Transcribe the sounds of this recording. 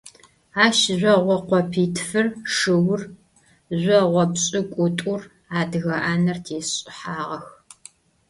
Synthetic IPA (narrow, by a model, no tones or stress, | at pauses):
aːʃʑʷɔʁʷɔqʷɔpʰiːtʰfɨrʂɨwr | ʑʷɔʁʷɔbɕʼɪkʷʼʊtʼʊr | aːdɣɐʔaːnɐrtʰeːɕʼɪħaːʁɐx